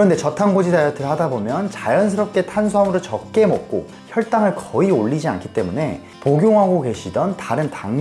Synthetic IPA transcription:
kɯɾʌnde̞t͡ɕʌtʰaŋɡod͡ʑidajʌtʰɯɭɦadabomjʌnt͡ɕajʌnsʰɯɾʌp̚k͈e̞tʰans̬ʰamɯɾɯt͡ɕʌk̚k͈e̞mʌk̚k͈o | çjʌɭt͈aŋɯɭkʌioɭːid͡ʑia̰nkʰi̥t͈e̞mune̞ | poɡjoŋɦaɡoɡe̞ɕʰidʌntaɾɯntaŋ

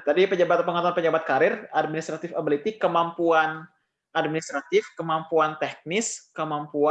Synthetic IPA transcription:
t̪adipəd͡ʒabat̪pəŋant̪uanpəd͡ʒabat̪̚kaɾɪrad̚minist̪ɾat̪ɪfabəlit̪ɪkːəmampuan | ʔad̚minist̪ɾat̪ɪfkəmampuant̪ɛk̚nɪskəmampua

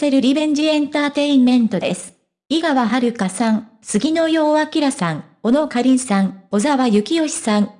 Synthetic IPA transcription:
seɾɯ̟ɾʲibẽ̞ɲ̟d͡ʑiẽ̞nt̪aːt̪e̞ĩmmẽ̞nt̪o̞d̪e̞sɨ̥ | iɡaβaɦaɾɯ̟kasãŋ | sɨɡʲino̞jo̞ːakʲiɾasãŋ | o̞no̞kaɾʲĩɰ̃sãŋo̞zaβajɯ̟kʲio̞ɕi̥sãŋ

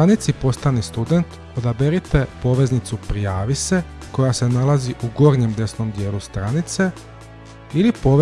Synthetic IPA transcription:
anit̪sipo̞st̪anist̪ud̪e̞nt̪ | o̞d̪abeɾit̪e̞po̞ʋe̞znit̪supɾijaːʋise̞ko̞jase̞nalaziʔuɡo̞ːɾɲe̞md̪e̞sno̞md̪je̞ːlust̪ɾanit̪se̞ | ilipo̞

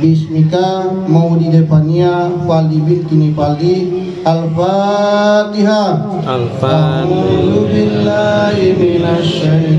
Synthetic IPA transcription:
bismika | mɐwdid̪epʰɐnijapald̪ibilk̪inipald̪i | ɐlfa | t̪iɦa | aɦud̪ubɪlːaɦimɪnɐʃɐɦi

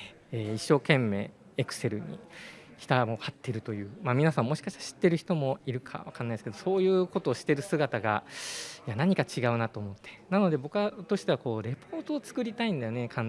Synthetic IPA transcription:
eːiɕːo̞ːkẽ̞mːe̞̰ː | ekɯ̟̥se̞ɾɯ̟ɲ̟ḭçi̥t̪amo̞hat̪ːe̞ɾɯ̟t̪o̞jɯ̟ːmamʲinasãmːo̞ɕi̥kaɕi̥t̪aɾaɕi̥t̪ːe̞ɾɯ̟çi̥t̪o̞mo̞iɾɯ̟kʰa̰βa̰kanːaisɨ̥ked̪o̞so̞ːjɯ̟ːkot̪o̞ːɕi̥t̪e̞ɾɯ̟sɨɡat̪aɡa̰janaɲ̟ikat͡ɕiɡaɯ̟nat̪o̞ːmo̞t̪ːe̞̥nano̞d̪e̞bo̞kɯ̟at̪o̞ɕi̥t̪eako̞ːɾe̞pʰo̞ːt̪o̞ːt͡sɨ̥kɯ̟ɾʲit̪aĩnd̪ajone̞kʰãn

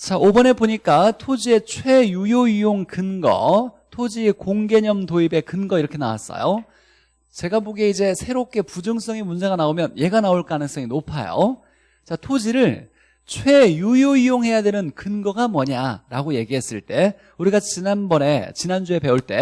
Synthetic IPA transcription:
t͡ɕaʔobʌne̞boɲik͈atʰod͡ʑie̞t͡ɕʰwe̞jujoijoŋkɯnɡʌ̰tʰod͡ʑikoŋɡe̞ɲʌmtoibe̞kɯnɡʌiɾʌkʰe̞nawa̰s͈ʌ̰jo | t͡ɕe̞ɡaboɡeid͡ʑe̞sʰe̞ɾop̚k͈e̞pud͡ʑɯŋs͈ʌŋimund͡ʑe̞ɡanaomjʌnje̞ɡanaoɭk͈anɯŋs͈ʌŋinopʰa̰jo̰ | t͡ɕatʰod͡ʑiɾɯɭ | t͡ɕʰwe̞jujoijoŋɦe̞jadwe̞nɯnkɯnɡʌɡamʌɲaɾaɡoje̞ɡiɦe̞s͈ɯɭt͈e̞ | uɾiɡat͡ɕinanbʌne̞t͡ɕinand͡ʑue̞pe̞uɭt͈e̞

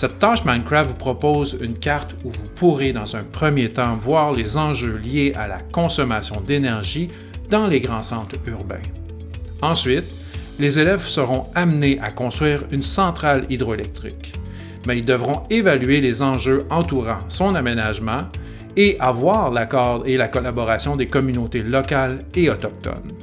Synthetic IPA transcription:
sɛt̪ːaʃmãjnkɹatvupχɔpoːzy̰nkʲaʁt̪uvupʰuʁed̪ɑ̃zɛ̃pχəmjet̪ɑ̃vwaːʁlezɑ̃ʒøljeʔa̰la̰kɔ̃sɔmasjɔ̃d̪enɛʁʒi | d̪ɑ̃leɡʁɑ̃sɑ̃ːt̪yʁbɛ̰̃ | ɑ̃sɥɪt̪ | lezelɛvsəʁɔ̃amneʔakɔ̃st̪χɥiːʁynsɑ̃t̪χalid̪ʁɔelɛk̚t̪ʁɪ̰k | mɛild̪əvʁɔ̃evalyelezɑ̃ʒøɑ̃t̪uʁɑ̰̃sɔ̃namenaʒmɑ̃ | eʔavwaːʁlakɔʁd̪elakɔlabɔʁasjɔ̃d̪ekɔmynot̪elɔkaleɔt̪ɔk̚t̪ɔ̰n

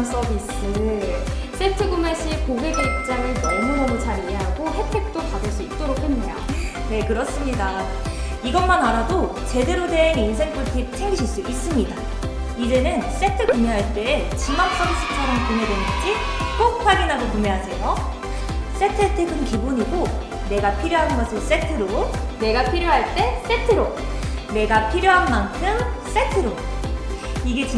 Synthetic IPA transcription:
ms͈ʌbisʰ | ɯ | s͈e̞tʰɯɡumeɕ͈ʰikoɡeɡeɭk̚t͡ɕ͈aɾɯɭbʌɭmomomɯɭt͡ɕʰaɾieɦaɡohe̞pʰe̞k̚t͈opadɯɭs͈uit̚t͈oɾokʰhemːejo̰ | ne̞kɯɾʌs͈ɯmɲida | iɡʌnmanaɾado | t͡ɕe̞de̞ɾodeŋinsʰe̞ŋpʰuɭtʰit͡ɕʰeŋɡiɕʰiɭs͈uʔis͈ɯmɲida | id͡ʑe̞nɯns͈e̞tʰɯɡɯumeɦaɭt͈e̞ːt͡ɕimak̚s͈ʌŋsʰɯk̚t͡ɕʰaɾʌmkumedwenɯt͡ɕ͈i | k͈ok̚ɸʰwaɡinɦaɡokumeɦad͡ʑejʌ | s͈e̞tʰetʰeɡɯnkibuɲiɡo | ne̞ɡapʰiɾjoɦanɡʌsʰɯs͈e̞tʰɯɾone̞ɡapʰiɾjoɦaɭt͈e̞s͈e̞tʰɯɾo | ne̞ɡapʰiɾjoɦanmankʰɯms͈e̞tʰɯɾo | iɡe̞t͡ɕi

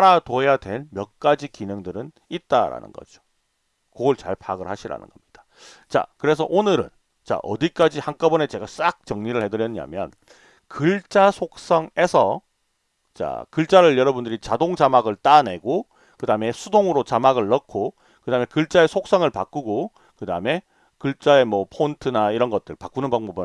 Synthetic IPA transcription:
aɾatoejadwe̞nmjʌk̚k͈ad͡ʑikinɯŋdɯɾɯn | it̚t͈aɾa̰nɯ̰nɡʌ̰d͡ʑo | koɡʌɭt͡ɕa̰ɭpʰa̰ɡɯɭhaɕʰiɾa̰nɯ̰nɡ̥ʌmɲid̥ḁ | t͡ɕa̰kɯɾe̞s̬ʰʌʔonɯɾɯ̰n | t͡ɕa̰ʔʌ̰dik͈ad͡ʑihank͈ʌbʌne̞t͡ɕe̞ɡas͈ak̚t͡ɕʌŋɲiɾɯɭhe̞dɯɾjʌɲa̰mjʌ̰n | kɯɭt͡ɕ͈asʰok̚s͈ʌŋe̞sʰʌ | t͡ɕa̰kɯɭt͡ɕ͈aɾɯɭjʌɾʌbundɯɾit͡ɕadoŋd͡ʑamaɡɯɭt͈ane̞ɡo | kɯdaɯme̞sʰudoŋɯɾot͡ɕamaɡɯɭːʌkʰo | kɯdaːmekɯɭt͡ɕ͈ae̞sʰok̚s͈ʌŋɯɭpa̰k͈uɡo | kɯdaɯme̞ | kɯɭt͡ɕ͈ae̞mwʌpʰontʰɯnaiɾʌnɡʌt̚t͈ɯɭpak͈unɯnbaŋbʌbɯ

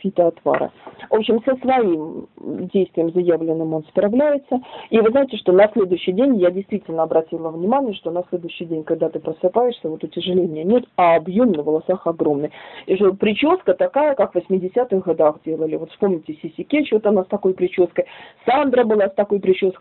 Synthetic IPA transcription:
fʲit̪əɐt̪va̰ɾɨ̰vo̞pɕːɪmsəsvɐimdʲejst̪vʲɪjɪmzɐjavlʲɪnːɨmo̞nspɾɐvlʲæjɪt̪səivɨznajɪtʲɪʂt̪o̞nɐsʲlʲe̞d̪ʊjʏɕːɪjdʲenʲjadʲɪjst̪vʲitʲɪlʲnəɐbɾɐtʲilˠəvnʲɪmanʲɪjəʂt̪o̞nɐsʲlʲe̞d̪ʊʏɕːɪjdʲenʲkɐɡ̚d̪at̪ɨpɾəsɨpajɪʂsʲəvo̞t̪ʊtʲɪʐɨlʲenʲɪjənʲe̞t̪ɐːbjomnəvəlˠɐsaxɐɡɾo̞mnɨjʂopɾʲɪt͡ɕoskət̪ɐkajəkakvəsʲmʲɪdʲɪsʲat̪ɨxɡɐd̪axdʲelˠəlʲɪvo̞t̪fspo̞mnʲɪtʲɪsʲɪsʲɪkʲet͡ɕvot̪ɐnast̪ɐko̞jpɾʲɪt͡ɕoskəjsand̪ɾəbɨlˠast̪ɐko̞jpɾʲɪt͡ɕo̞sk

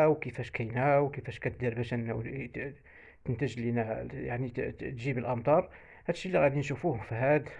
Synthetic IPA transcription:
wkəfæʃkʰæjnæwkəfæʃkæt̪̚d̪iɾbæʃʔənːæ | t̪ənt̪əʒlinæjaʕnit̪ʒibəlʔɑmt̪ˤɑɾˤ | hæd̪əʃːilːiɣæd̪inʃufuhʊmfihæd̪

